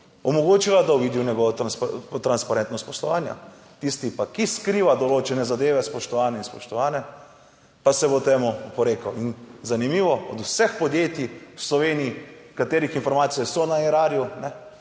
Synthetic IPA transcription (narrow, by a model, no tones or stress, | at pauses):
ɔmɔɡoːt͡ʃiʋad̪awʋid̪iwnɛɡɔʋɔt̪ɾanspt̪ɾanspaɾɛnt̪nɔst̪pɔslɔʋaːnja̰ | t̪ist̪ipakiskɾiːʋad̪ɔloːt͡ʃɛnɛzad̪eːʋɛspɔʃt̪ɔʋaːnɛinspɔʃt̪ɔʋaːnɛ | pasɛbot̪eːmupɔɾeːkawinzanimiːʋɔɔd̪usɛxpɔd̪jeːt̪iwslɔʋeːniːkat̪eːɾixinfɔɾmaːt̪sijɛsɔnaɛɾaːɾjunɛ